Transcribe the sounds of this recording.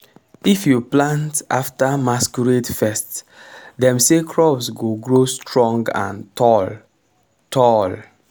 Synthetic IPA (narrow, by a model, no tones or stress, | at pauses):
ifjuplãntaftamaskuɹetfɛst | dɛ̃msekʰɹɔbsɡoɡɹostʰɹɔ̃ŋɡã̰ntʰɔl | tʰɔl